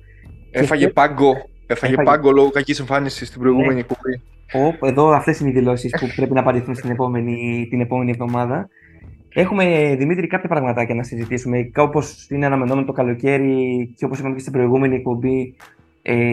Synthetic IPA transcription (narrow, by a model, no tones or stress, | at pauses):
eefɐʝepɐŋɡo̞ | efɐepɐŋɡoloɣokɐciseɱfɐnisist̪ibɾo̞iɣume̞niek̚pobi | ope̞ðo̞ɐft̪e̞sineiðilo̞sispupɾe̞pinɐːpɐnd̪iθunst̪inepo̞menit̪ine̞po̞me̞nie̞vðo̞mɐðɐ | e̞xume̞ðimit̪ɾikɐpçɐpɾɐɣmɐt̪ɐʝɐnɐsizit̪isume̞kɐopo̞sineɐnɐme̞no̞menot̪o̞kɐlo̞ce̞ɾiceo̞posipɐmecest̪ibɾo̞iɣume̞nie̞k̚po̞mbi | e